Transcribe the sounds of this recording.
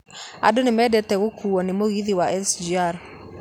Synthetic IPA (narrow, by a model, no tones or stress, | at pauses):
a̰donɪmɛdɛtɛɣokʰuːwɔnɪmoɣiðiwaʔɛsd͡ʒiaɾ